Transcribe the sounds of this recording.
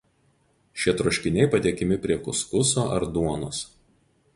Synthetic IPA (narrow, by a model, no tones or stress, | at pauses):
ʃʲiɛt̪ɾʊʃʲkʲɪnʲɛɪpɐd̪ʲeɛkʲɪmʲɪpʲɾʲiɛkʊskʊsoːʔɐ̰ɾd̪uɔnoːs